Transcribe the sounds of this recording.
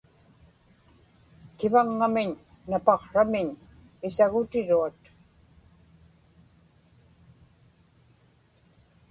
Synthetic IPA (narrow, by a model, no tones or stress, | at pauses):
kɪvaŋːamɪɲː | apɑqʂamɪɲ | ɪsaɣʊt̪ɪɻuat̪